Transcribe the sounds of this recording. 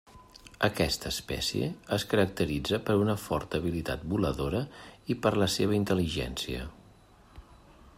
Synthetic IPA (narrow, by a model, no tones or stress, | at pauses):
əkɛst̪əːspɛ̰siḛəskəɾək̚t̪əɾid͡zəpəɾunəfɔɾt̪əːβ̞ilit̪a̰t̪̚buləðoɾəipəɾləseβəint̪əliʒɛ̰nsiə̰